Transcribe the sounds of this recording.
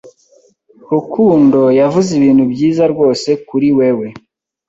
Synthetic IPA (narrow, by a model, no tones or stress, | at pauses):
kukʰuːndo̞javuziβiːn̥hubjiːzaɾɡo̞ːse̞kuɾiwewe̞